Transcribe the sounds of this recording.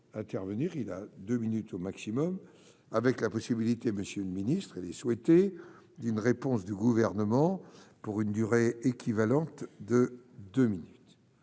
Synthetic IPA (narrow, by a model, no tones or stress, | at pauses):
ɛ̃t̪ɛʁvəniʁila̰d̪øminyt̪omaksimɔm | avɛklapɔsibilit̪eməsjøləminist̪χilɛswɛt̪e | d̪ynʁepɔ̃sd̪əɡuvɛʁnəmɑ̃puʁynd̪yʁeekʰʲivalɑ̃t̪d̪əd̪øminyt̪